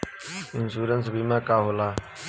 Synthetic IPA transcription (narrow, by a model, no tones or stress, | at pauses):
ɪnsuːɾənsbiːmãːkaːɦoːlaː